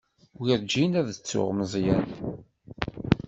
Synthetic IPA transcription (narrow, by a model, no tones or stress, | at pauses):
wiɾd͡ʒinæðət͡sːʊ̰ʁməzˤjæn